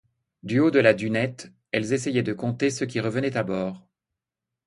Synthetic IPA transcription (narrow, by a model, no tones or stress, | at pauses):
d̪yod̪əlad̪ynɛt̪ | ɛlzes̬ɛjɛd̪əkɔ̃t̪esəkʲiʁəvənɛt̪abɔːʁ